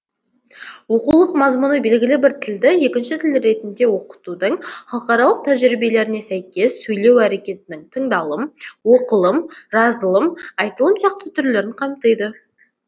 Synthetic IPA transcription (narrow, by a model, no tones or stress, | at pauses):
wo̞qulˠəqmɑzmunəbe̞lɡʲɪlɪbɪɾt̪ʰɪld̪ɪje̞kʲɪnʃɪt̪ʰɪlɾe̞t̪ɪnd̪e̞wo̞qə̥t̪ud̪əɴχɑlˠəqɑɾɑlˠəq̚t̪ʰæʒɾibe̞le̞ɾɪne̞sæjkʲe̞sːɵjle̞wæɾe̞kʲe̞t̪ɪnɪŋt̪ʰəɴd̪ɑlˠəmwo̞qəlˠəmʒɑzəlˠəmɑjt̪əlˠəmsijɑqt̪ət̪ʰʏɾle̞ɾɪɴqʰɑmt̪əjd̪ə